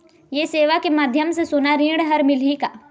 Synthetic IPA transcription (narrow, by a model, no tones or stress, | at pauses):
jeseːʋakemaːd̪ʱjəmsesʊnaɾĩːɽɦɐɾmɪlikaː